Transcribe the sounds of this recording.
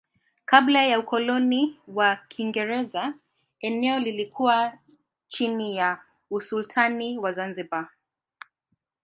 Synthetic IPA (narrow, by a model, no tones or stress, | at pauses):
kablajaukɔlɔniwakʰiŋɡɛɾɛza | ɛnɛɔlilikʰuwa | t͡ʃinija | usultʰaniwazanziba